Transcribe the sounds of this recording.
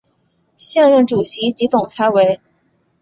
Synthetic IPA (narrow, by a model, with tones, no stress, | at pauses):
ɕjɑ˥˧ŋɥə˥˩nʈ͡ʂu˨˩ɕi˧˥t͡ɕi˧˥fʊ˨˩ŋt͡sʰa˧˥we˧˥ɪ